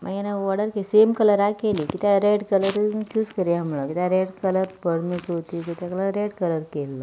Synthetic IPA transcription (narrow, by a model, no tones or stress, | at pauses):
ma̰ɡjanaʋɔɽəɾkesemkələɾakelikit̪aɾeɽkələɾt͡ɕuːskəɾiɦəmɭəkit̪ãɾeɽkələɾpəɽmisɦot̪ikit̪akələɾeɖkələɾkelːə